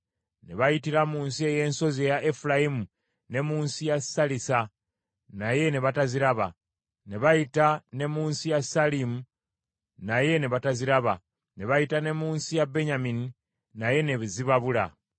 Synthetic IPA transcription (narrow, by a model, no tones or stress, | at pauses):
ne̞βajitiɾamuːnsie̞je̞ːnso̞zejaʔefulajimu | ne̞muːnsijasalisa | naje̞neβataziɾaβa | ne̞βajitane̞muːnsijasalimu | naje̞neβataziɾaβa | ne̞βajitane̞muːnsijabe̞ɲamini | naje̞neziβaβula̰